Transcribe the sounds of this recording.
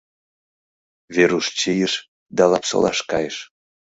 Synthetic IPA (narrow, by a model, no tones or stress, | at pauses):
veɾuʃt͡ɕijəʃ | d̪ɑlɑpso̰lˠɑ̰ʃkɑjəʃ